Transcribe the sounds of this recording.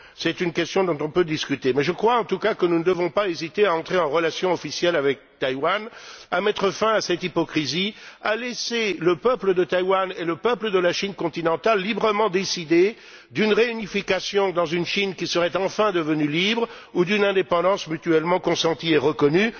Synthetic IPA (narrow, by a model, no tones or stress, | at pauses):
sɛt̪ynkʲɛst̪jɔ̃d̪ɔ̃t̪ɔ̃pød̪iskʲyt̪emɛʒəkχwaɑ̃t̪ukakənunəd̪əvɔ̃paezit̪eaɑ̃t̪χeɑ̃ʁəlasjɔ̃ɔfisjɛlavɛk̚t̪ajwanamɛt̪χəfɛ̃asɛt̪ipɔkχizialɛseləpœpləd̪ət̪ajwaneləpœpləd̪əlaʃinkɔ̃t̪inɑ̃t̪alːibʁəmɑ̃d̪esid̪e | d̪ynʁeynifikasjɔ̃d̪ɑ̃zynʃinkʲisəʁɛt̪ɑ̃fɛ̃d̪əvənylibʁ | ud̪ynɛ̃d̪epɑ̃d̪ɑ̃smyt̪yɛlmɑ̃kɔ̃sɑ̃t̪ieʁəkɔny